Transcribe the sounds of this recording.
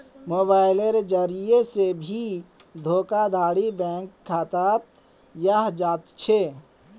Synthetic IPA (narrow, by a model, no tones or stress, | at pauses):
moːbaːɪleɾd͡ʒəɾijesebʱid̪ʱoːkad̪ʱaːɽibɛ̃ːŋkʰːaːt̪at̪ | jaɦd͡ʒaːt̪t͡ʃʰe